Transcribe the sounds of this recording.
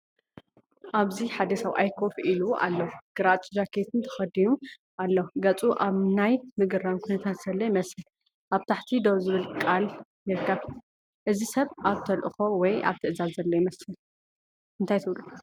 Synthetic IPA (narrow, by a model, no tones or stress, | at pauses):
ʔaβziħad̪ɐsaβʔajkʰofilua̰lːɐɡ̥ɨɾat͡ʃʼɪd͡ʒakʰet̪ʰɨnt̪ʰɐ̥xɐd̪inu | ʔalːoɡɐt͡sʼuʔaβnajmɨɡɨɾaβkʰunɐt̪ʰat̪z̥ɐlːojimɐsɨl | ʔaβt̪ʰaħt̪ʰid̪ozɨβɨlkʼaljɨɾkʰːɐβ | ʔɨzisɐβʔaβt̪ʰɐlʔɨ̰xo̞wɔja̰βt̪ʰɨʔɨzazzɐlːɐjimɐsɨl | ɨnt̪ʰajt̪ʰɨβlu